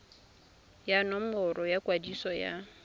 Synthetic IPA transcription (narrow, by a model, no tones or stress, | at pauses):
janɔmʊɾɔjakʼwadisɔja̰